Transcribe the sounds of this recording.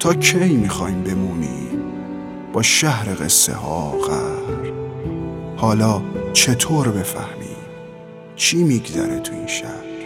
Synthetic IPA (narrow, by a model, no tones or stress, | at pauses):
t̪ʰɒːkʰejmixɒːjmbe̞muːnḭː | b̥ɒːʃæhɾeɣḛsːḛhɒ̰ːɣæɾ | hɒːlɒːt͡ʃʰe̞t̪ʰoːɾbe̞fæ̰hmḭː | t͡ʃʰiːmiɡzæɾet̪ʰuḭːnʃæ̰hɾ